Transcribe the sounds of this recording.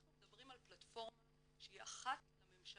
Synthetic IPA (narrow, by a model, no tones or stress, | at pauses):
naχnumedabʁimalplatfo̞ʁma | ʃeiaχatlame̞mʃa